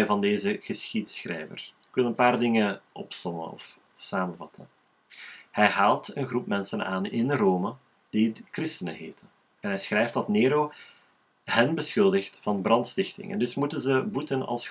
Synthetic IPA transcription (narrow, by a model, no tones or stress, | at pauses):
jvɑndeːzəɣəsxitsxrɛ̰jvə̰rɪkʋɪlˠənpaːrdɪŋəʔɔ̰psɔmə̰nɔ̰f | fsaːmənvɑtʰən | hɛjɦaːlˠtənɣrup̚mɛnsəna̰ːnɪnroːmə | d̥ikrɪstənə̰ɦeːtən | ɛnɦɛjsxrɛjftdɑtneːɾoː | hɛnbəsxʏlˠdəxtfɑnbrɑntstɪxtɪ̰ŋɛ̰ndɵsmutənzəbutənɑ̰lˠs